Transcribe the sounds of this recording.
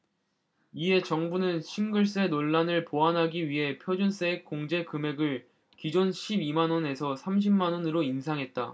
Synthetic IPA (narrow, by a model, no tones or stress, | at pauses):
iɦe̞t͡ɕʌŋbunɯnɕʰinɡɯɭs͈e̞noɭːanɯɭpoɦanɦaɡiɥiɦe̞pʰjod͡ʑuns͈eːk͈ːoŋd͡ʑe̞kɯme̞ɡɯɭ | kid͡ʑonɕʰibimanwʌne̞sʰʌsʰamɕ̬ʰimːanwonɯɾoinsʰaŋɦe̞t̚t͈a̰